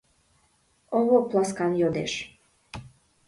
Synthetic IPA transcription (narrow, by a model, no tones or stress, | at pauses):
oβoplˠɑskɑnjod̪eʃ